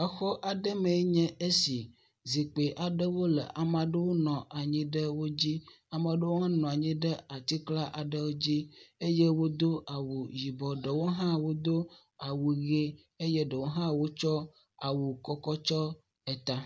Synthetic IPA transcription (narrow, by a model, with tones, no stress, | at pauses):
ə˨xɔ˦ʔa˨ɖə˦mẽ˨˦ɲɛ̃˦e˦si˨ | zi˨k͡pe˨ʔa˨ɖə˦wo˦lə̰˨ʔa˨mã˨ɖə˦wo˦nɔ̃˨ʔa˨ɲĩ˦ɖə˦wo˦d͡ʑi˦ | a˨mã˨ɖə˦wo˦ɦã˦nɔ̃˨a˨ɲĩ˦ɖə˦a˨t̪i˦kla˦ʔa˨ɖə˦wo˦d͡ʑi˦e˦je˦wo˦d̪o˦a˨wu˨ji˨bɔ˨ɖə˨wo˦ɦã˦wo˦d̪o˦ | a˨wu˨ɣe˦ | e˦je˦ɖə˨wo˦ɦã˦wo˦t͡ʃɔ˦ | a̰˨wu˨kɔ˨kɔ˦t͡ʃɔ˦ | ɛ˨t̪a˦